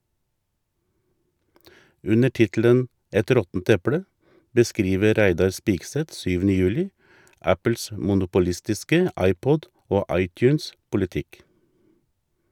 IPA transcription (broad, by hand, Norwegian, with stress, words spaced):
ˈʉnə ˈʈɪtl̩ən ˈɛt ˈɾɔtn̩t ˈɛpɽə bəˈskɾiːʋə ˈɾæɪdɑɾ ˈspiːɡˌsɛt ˈsyːʋn̩ə ˈjʉːlɪ ˈæpəls mʊnʊpʊˈlɪstɪskə ˈɑɪˌpɔd ˈoː ˈɑɪˌtjʉːnspʊlɪˌtɪk